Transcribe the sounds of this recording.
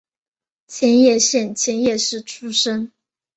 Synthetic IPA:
t͡ɕʰjɛ˧˥njɛ˥˩ɕjɛ˥˩nt͡ɕʰjɛ˧˥njɛ˥˧ʂɻ̩˥˩ʈ͡ʂʰu˥ʂə˥ŋ

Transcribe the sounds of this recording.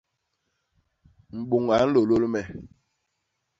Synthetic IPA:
m̩˨ɓu˨ŋa˨˦n̩˦lo˨lo˦lmɛ˨

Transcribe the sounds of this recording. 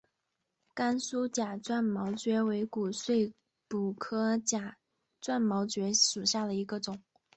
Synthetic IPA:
ka˥nsu˥t͡ɕja˨˩ʈ͡ʂwa˥˩nmɑ˧˥ʊt͡ɕɥɛ˧˥we˧˥ɪku˨˩swe˥˩ɪ | pu˨˩kʰɤ˥t͡ɕja˨˩ | t͡swa˥˩nmɑ˧˥ʊt͡ɕɥɛ˧˥ʂu˨˩ɕja˥˩d̪ə˩i˧˥ɡə˧ʈ͡ʂʊ˨˩˦ŋ

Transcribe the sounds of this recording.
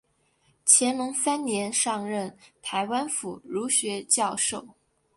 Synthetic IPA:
t͡ɕʰjɛ˧˥nlʊ˧˥ŋsa˥nnjɛ˧˥nʂɑ˥˧ŋɻə˥˩nt̪ʰa˧˥ɪwa˥nfu˨˩ɻu˧˥ɕɥɛ˧˥t͡ɕjɑ˥˧ʊʂo˥˩ʊ

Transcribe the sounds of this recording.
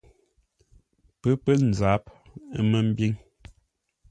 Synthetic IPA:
pə˦pə˦n̩˨za˨˦p̚ | ə˦mə˦m̩˦bi˦ŋ

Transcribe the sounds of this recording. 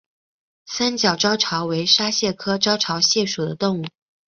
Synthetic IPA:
sa˥nt͡ɕjɑ˨˩ʊʈ͡ʂɑ˥ʊʈ͡ʂʰɑ˧˥ʊwe˧˥ɪʂa˥ɕjɛ˥˩kʰɤ˥ʈ͡ʂɑ˥ʊʈ͡ʂʰɑ˧˥ʊɕjɛ˥˩ʂu˨˩d̪ə˦t̪ʊ˥˧ŋu˥˩

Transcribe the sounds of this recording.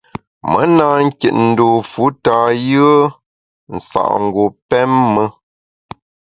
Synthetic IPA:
mə˨˦naː˨ŋ̩˦kɛ˨t̚n̩˨doː˨fu˨˦ta˨jɨ˦ə˦ | n̩˨sa̰˨ʔŋ̩˨ɡo˨pɛ˦mːə˦

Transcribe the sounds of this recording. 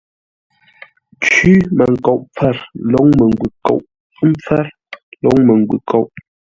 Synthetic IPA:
t͡ʃʉ˦mə˨ŋ̩˨ko˨ʔp͡fɛ˦˨ɾlɔ˨˦ŋmə˨ŋ˨ɡwʉ˨ko̰˨ʔ | m̩˦p͡fɛ˦ɾ | lɔ˨˦ŋmə˨ŋ˨ɡwʉ̰˨kʰo˦˨ʔ

